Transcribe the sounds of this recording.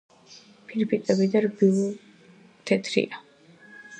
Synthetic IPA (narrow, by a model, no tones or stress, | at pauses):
pʰiɾpʰit̪ʼɛbid̪aɾbil | t̪ʰɛt̪ʰɾḭa